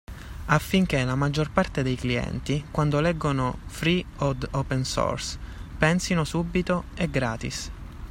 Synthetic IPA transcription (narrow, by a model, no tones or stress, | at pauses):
afːiŋk̟elamad͡ʒːorpart̪ed̪ejkliɛ̰nt̪ikwand̪olɛɡːonofɾiod̪opɛnsɔ̰rspɛnsinosubːit̪oɛɡɾaːt̪ḭs